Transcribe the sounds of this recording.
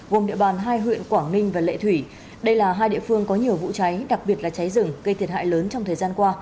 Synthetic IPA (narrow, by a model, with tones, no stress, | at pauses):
ɣo˨˩mɗḭ˧˨əɓaː˨˩nɦaː˧jɦwḭ˧˨ənkwaː˧˩ŋï˧ŋ̟vaː˨˩lḛ˧˨t̪ʰwi˧˩ | ɗə˧jlaː˨˩ɦaː˧jɗḭ˧˨əfɨ˧əŋkɔ˨˦ɲi˨˩əwvṵ˧˨t͡ɕa˨˦jɗa˨˩k̚ɓi˨˩ət̚laː˨˩t͡ɕa˨˦jzɨ˨˩ŋɣə˧t̪ʰi˨˩ət̚ha̰ː˧˨jləː˨˦nt͡ɕɔ˧ŋ͡mt̪ʰəː˨˩jzaː˧nkwaː˧